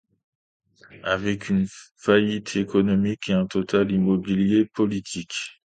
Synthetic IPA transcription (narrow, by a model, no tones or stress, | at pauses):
avɛkʰynfajit̪ʰekɔnɔmikeɛ̃t̪ɔt̪ʰalimɔbiljepɔlit̪ʰik